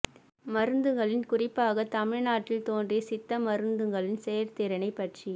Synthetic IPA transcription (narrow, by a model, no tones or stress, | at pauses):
mɐɾɯnd̪ɯŋɡɐɭɪnkʊrɪpːaːɣɐt̪ɐmɪɻnaːʈːɪlt̪oːndrisɪt̪ːɐmɐɾɯnd̪ɯŋɡɐɭɪnsɛjɐɾt̪ɪːɾɐnɐɪpːɐʈri